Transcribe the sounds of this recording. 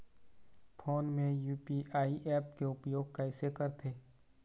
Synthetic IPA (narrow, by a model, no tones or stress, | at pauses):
fʰoːnmẽjuːpiʔaːiʔɛːpkeʊpjoːɡ̚kaɪsekəɾt̪ʰeː